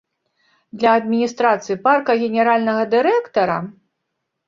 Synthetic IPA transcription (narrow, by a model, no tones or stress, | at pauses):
d̪lʲɐːd̪̚mʲinʲist̪ɾat̪sɨiparkɐɣʲɛnʲɛɾalʲnɐɣɐd̪ɨɾɛkt̪ɐɾɐ